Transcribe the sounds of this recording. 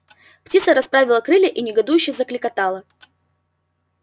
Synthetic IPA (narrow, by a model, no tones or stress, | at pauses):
ptʲit̪səɾɐspɾavʲɪlˠəkɾɨlʲɪʔinʲɪɡɐd̪ujʉɕːɪjzəklʲɪkɐt̪alˠə